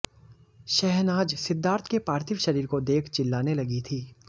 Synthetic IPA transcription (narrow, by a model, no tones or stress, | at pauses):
ʃɛɦnaːd͡ʒsɪd̪ʱːaːɾt̪ʰkepaːɾt̪ʰɪʋʃɐɾiːɾkod̪eːkʰt͡ʃɪlːaːnelɐɡit̪ʰiː